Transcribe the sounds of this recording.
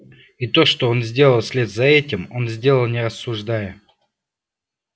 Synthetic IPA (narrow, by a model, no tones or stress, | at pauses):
it̪o̞ʂt̪o̞o̞nzʲdʲe̞lˠəlˠsʲlʲe̞t̪zɐɛtʲɪmo̞nzʲdʲe̞lˠəlˠnʲɪɾɐsːʊʐd̪ajə